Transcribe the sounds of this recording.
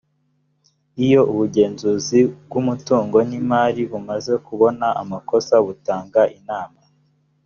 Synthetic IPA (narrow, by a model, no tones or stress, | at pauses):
ijo̞ʔuβuɟe̞ːnzuːzibɡumutuːŋɡo̞nimaːɾiβumaze̞kuβo̞naʔamako̞saβutaːŋɡaʔinaːma